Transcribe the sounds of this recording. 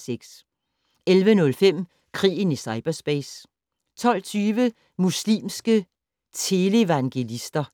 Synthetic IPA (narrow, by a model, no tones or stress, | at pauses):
seɡ̥s | elʋənɔ̽lfem̰ | kʰʁḭːn̩isɑ̈ɪb̥ɐsb̥ɛːs | t͡sʰɒ̽l̰t͡sʰyːʋə | muslḭːmsɡ̥ə | t͡sʰe̝le̝ʋɑ̈ŋɡ̥e̝lisd̥ɐ